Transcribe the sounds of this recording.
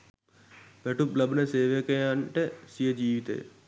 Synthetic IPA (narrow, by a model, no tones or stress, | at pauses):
ʋeʈuplɐbneseːʋekejaɳʈesijed͡ʒiːʋit̪ḛː